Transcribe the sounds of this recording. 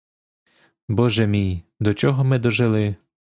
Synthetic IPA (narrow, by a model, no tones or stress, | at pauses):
bɔʒɛmʲijd̪ɔt͡ʃɔɦɔmɪd̪ɔʒelˠɪ